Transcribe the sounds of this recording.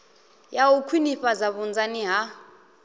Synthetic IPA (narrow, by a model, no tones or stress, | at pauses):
jawukʰwiniɸazaβund͡zaniɦa